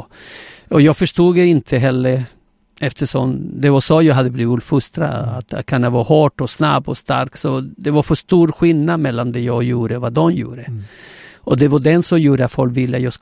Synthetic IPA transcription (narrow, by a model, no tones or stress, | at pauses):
ɔjɑːɡfœʂtuːɡɛɪnt̪ʰəɦɛlːəɾ | ɛft̪ʰəʂɔmd̪ɛvɑsɔːjɑːɦad̪ːəbliːvɪt̪fɵst̪ɾa̰a̰t̪kʰanːavɑhɑːʈɔsna̰bːɔst̪a̰ɾksɔd̪ɛvaɾfœʂt̪uːɾɧɪlnad̪mɛlːand̪ɛjɑːɡjuːɾəvad̪ɔmjṵːɾə | ʔɔd̪ɛvɑɖɛnsɔmjuːɾəat̪fɔlkvɪlːəat̪jɑːɡsk